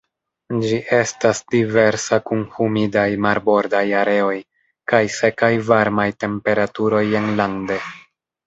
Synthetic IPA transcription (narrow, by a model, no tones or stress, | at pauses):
d͡ʒiʔe̞stasdive̞ɾsakunhumidajmaɾbo̞ɾdajaɾe̞o̞j | kajse̞kajvaɾmajte̞mpe̞ɾatuɾo̞je̞nlande̞